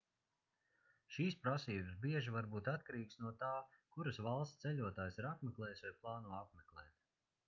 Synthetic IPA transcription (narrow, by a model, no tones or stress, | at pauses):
ʃiːspɾasiːbɨsbiɛʒivaɾbuːt̪at̪̚kaɾiːksnuɔt̪aːkuɾɐsvalˠst̪sɛlʲuɔt̪aːjsiɾapmeklˠɛːjsvajplˠɑːnuɔap̚meklˠɛːt̪